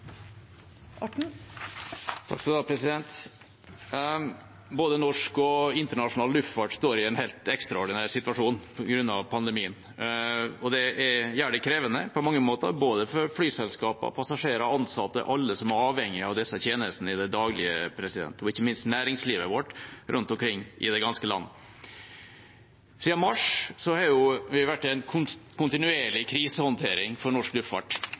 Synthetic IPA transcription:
ɑ | t̪ʰɑ̰ksɔd̪ɑːpʰɾɛsɪd̪ɛnt̪ | boːd̪ənɔʂkɔɪnt̪əɳɑʂʊnɑːllʉft̪fɑʈst̪oːɾɪɛnhɛɪlt̪ɛkst̪ɾɑɔɖɪnæɾsɪt̪ʋɑʂuːnpʰɔɡɾʉnːɑ̰ʋpʰɑnd̪ɛmiːən | ɔd̪ɛɛɾjæːɖɛkʰɾeːʋənəpʰɔmɑŋːəmoːt̪əɾboːd̪əfɔɾflyːsɛlskɑːpɑ̰pʰɑsɑʂeːɾɑɑnsɑt̪ːə̰ʔɑlːəsɔmæɾɑːʋhɛŋːɪɑʋd̪ɛsːət̪ʰeːnəst̪n̩ɪd̪ɛd̪ɑːɡlɪə̰pʰɾɛsɪd̪ɛ̰nt̪ɔɪçːəmɪnst̪næːɾɪŋsliːʋəʋɔʈɾʔʉnt̪ɔmkʰɾɪŋːʔɪ̰d̪ɛɡɑnskəlɑ̰nːə̰ | siːɑmɑʂsɔhɑɾjʊʋɪʋæʈːɛnʰkʰʊnt̪ɪnʉeːɭɪkʰɾiːsəhɔnt̪ʰeːɾɪŋfɔɾɳɔʂklʉffɑ̰ʈː

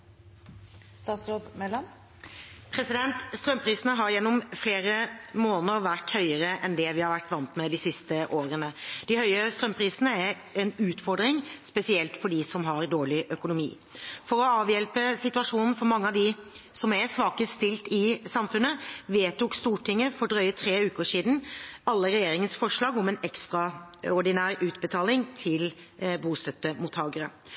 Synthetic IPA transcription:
st̪ɑːt̪sɾoːd̪mɛlɑn | pʰɾɛsɪd̪ɛnt̪st̪ɾœmpʰɾiːsənəɦɑɾjɛnːɔmfleːɾəmoːnəɾʋæʈhœʏəɾəʔɛnd̪ɛʋɪhɑɾʋæʈːʋɑnt̪mɛd̪ɪsɪst̪əʔoːɾənəd̪̥ɪhœʏəst̪ɾœmpʰɾiːsənəæɾ | ɛnʉːt̪fɔɖ̪ɾɪŋspɛsɪɛlt̪fɔɖisɔmɦɑɾd̪oːɭɪʔœkʊnʊmḭː | fɔɾɔɑːʋjɛlpəsɪt̪ʉɑʂuːnn̩fɔɾmɑŋːəɑʋd̪ɪsɔmɛsʋɑːkəst̪ɪlt̪ɪsɑmfʉnːəʋeːt̪uːkst̪uːʈʰɪŋːəfɔɾɖɾœʏət̪ʰɾeːʉːkəʂiːd̪n̩ɑlːəɾɛjeːɾɪŋənsfɔʂɭɑːɡɔmɛnɛkst̪ʁɑɔɖɪnæːɾʉːt̪bət̪ʰɑːlɪŋt̪ʰɪl | buːst̪œt̪ːəmuːt̪ʰhɑːɡəɾə

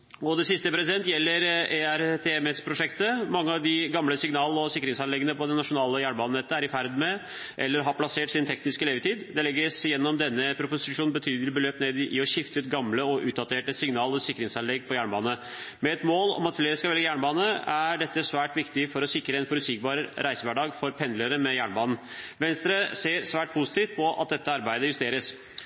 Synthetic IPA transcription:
ɔd̪ɛsɪst̪əpʰɾɛsɪd̪ɛnt̪jɛlːəɾɛæɾt̪ʰeɛmɛspʰɾʊʂɛkt̪əmɑŋːəɑʋd̪ɪɡɑmləsɪŋnɑːl̩ɔsɪkːəɾɪŋsɑnlɛɡːənəpʰɔd̪ɛnːɑʂʊnɑːləjæːɳbɑːnn̩ɛt̪ːəæɾɪfæɾd̪mɛ | ʔɛ̰lːəɾɦɑɾpʰlɑseːʈsɪnt̪ʰɛknɪskəleːʋət̪ʰiːd̪d̪ɛlɛɡːəsjɛnːɔmd̪ɛnːəpʰɾʊpʊsɪʂuːnnbət̪ʰyːd̪lɪbəløːpneːd̪ʔɪɔɕɪft̪ət̪ɡɑmləɔʔʉːt̪̚d̪ɑt̪ʰeːʈəsɪŋnɑːlɔsɪkːɾɪŋsɑnɛɡːpʰɔjæːɳbɑːnə | mɛɛt̪moːlɔ̰mɑt̪fleːɾəskɑlʋɛlɡəjæːɳbɑːnəæɖɛt̪ːəsʋæːʈʋɪkt̪ɪfɔɾɔsɪkːɾəɛnfɔɾʉt̪sɪkbɑːɾɾʔæɪsəʋæɖɑːɡfɔɾpʰɛnd̪ləɾəmɛjæːɳbɑːnn̩ | ʋɛnst̪ɾəseːɾsʋæːʈ̚pʰusɪ̥t̪ɪft̪̚pʰɔʔɑ̰t̪̚d̪ɛt̪ːəɑɾbæɪd̪əjʉst̪eːɾəs

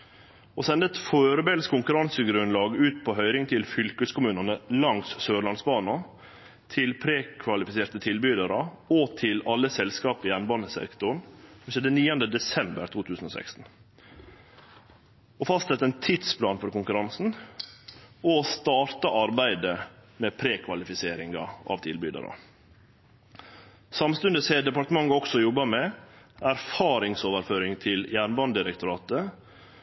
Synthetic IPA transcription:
osɛnd̪əɛt̪foːɾəbɛlskʰʊŋkʉɾɑnsəɡɾʉnlɑːɡʉːt̪pʰɔɦœʏɾɪŋt̪ʰɪlfʏlkəskʰʊmʉːnɑnəlɑŋssøːɭɑnsbɑːnɑ | t̪ʰɪlpʰɾeːkʰʋɑlɪfɪseːɾt̪ət̪ʰɪlbyːd̪əɾɑɔt̪ʰɪlɑlːəsɛlskɑːpɪjɛnbɑːnəsɛ̰kt̪ʊɳsɔmʃɛːd̪əniːənd̪əd̪ɛsɛmbə̰ɾt̪ʰuːt̪ʰʉːsən̩ɔsɛ̰kst̪n̩ | ɔfɑst̪sɛt̪ːəɛnt̪ʰid̪spʰlɑːnfɔɾkʊŋkʉɾɑnsn̩ | ɔst̪ɑːɾt̪ɑʔɑɾbæɪd̪əmɛpʰɾeːkʰʋɑlɪfɪseːɾɪŋɑ̰ʔɑ̰ʋt̪ʰɪlbyd̪ə̰ɾɑ̰ | sɑmst̪ʉnd̪əseːd̪ɛpɑɾʈ̪əmɑŋːɑɔksɔjɔbːɑmɛæɾfɑːɾɪŋsoːʋəɾføːɾɪŋt̪ʰɪljæːɳbɑnd̪ɪɾɛkt̪ʊɾɑːt̪ə

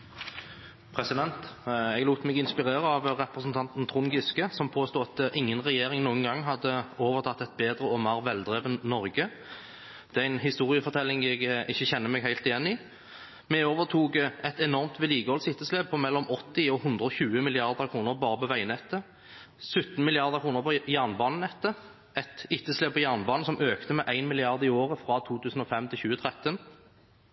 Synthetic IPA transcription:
pʰʁɛsɪd̪ɛnt̪ɛɡluːt̪mɛɡɪnspɪʁeːɾəɑʋʁɛpɾəsnt̪ʰɑnt̪n̩t̪ʰʁʊŋɡɪskəsɔmpʰoːst̪uːɑt̪ʔɪŋːənʁɛjeːɾɪŋnuːənɡɑŋːɦɑd̪ːəoːʋəʁt̪ʰɑt̪ːɛt̪̚beːd̪ɾəɔmɑʁʋɛld̪ʁɛʋənnɔɾɡə | d̪̥ɛːæɪnɦɪst̪uːʁɪəfɔʁt̪ʰɛlːɪŋɛɡʔɪçːəçɛnːəmɛɡhæɪlt̪ɪjɛnːɪ | mɛoːʋət̪ʰuːɡəɛt̪ɛnɔʁmt̪ʋɛliːɡəɔlsɪt̪ːəsleːb̚pʰɔmɛlːɔmɔt̪ːɪɔhʉnd̪ʁəɔçʉːəmɪlɪɑʁd̪əʁkʰʁuːnəɾbɑːʁəpɔʋæɪnɛt̪ːə | sʉt̪n̩mɪlɪɑʁd̪əʁkʰʁuːnəʁpʰɔjæʁnbɑːnənɛt̪ːə | ɛt̪ɪt̪ːəsleːbpʰɔjæʁnbɑːnəsɔmʔøːkt̪əmɛʔæɪnmɪlɪɑʁd̪ɪoːʁəfɾɑt̪ʰuːt̪ʰʉːsn̩ɔfɛmt̪ʰɪlçʉːət̪ʰʁɛt̪ːən

